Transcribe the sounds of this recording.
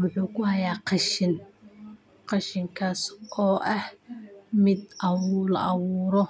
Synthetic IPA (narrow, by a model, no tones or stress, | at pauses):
wʊħuːkʰʊhɐjaːqɑʃɪn | qɑʃɪŋkʰaːsʔɔːʔɐhmɪd̪ʔɑwlʔɑwuːɾɔ